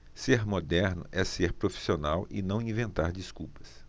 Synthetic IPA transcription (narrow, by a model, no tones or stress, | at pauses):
seɾmod̪ɛɾnʊ̰ʔɛseɾpɾofi̥sionawɪ̰nɐ̃w̃ĩvẽnt̪aɾd͡ʒiskuwpɐ̥s